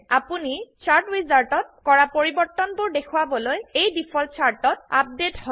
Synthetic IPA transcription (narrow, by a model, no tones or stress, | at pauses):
apunit͡ʃʰaɹtɹizaltɔt̚kɔɹapoɹibɔɹt̪ɔnbʊɹdekʰuwabɔlojejdipʰɔl̚t͡ʃʰaɹtɔt̚a̰p̚dethɔ